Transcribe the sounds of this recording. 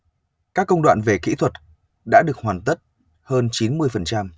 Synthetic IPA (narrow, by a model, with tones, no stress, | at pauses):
kaː˦˥kːə˧wŋ͡mɗwa̰ː˧˨nve˨˩kḭ˧˥t̪ʰwə˨˩t̚ | ɗa̰ː˧˥ɗɨ˨˩ək̚hwaː˨˩nt̪ə˦˥t̚ | həː˧nt͡ɕi˨˦nmɨ˧əjfə˨˩nt͡ɕa˧m